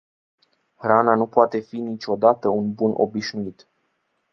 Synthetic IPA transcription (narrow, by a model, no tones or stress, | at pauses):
rananupoat̪e̞finit͡ʃo̞d̪at̪əunbunʔo̞̰biʃnuit̪